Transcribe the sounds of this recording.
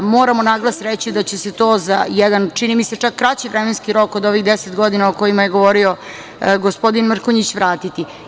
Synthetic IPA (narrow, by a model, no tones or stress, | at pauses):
moːɾamo̞naɡlˠasɾet͡ɕid̪at͡ɕese̞t̪o̞ːza̰jɛd̪ant͡ʃinimise̞t͡ʂakːɾat͡ɕiʋɾemenskiɾo̞kod̪o̞ʋiɣd̪eset̪ɡo̞d̪inaoko̞imajeɡo̞ʋo̞ɾio̞ | ɡospo̞d̪inmr̩koɲit͡ɕʋɾaːt̪it̪i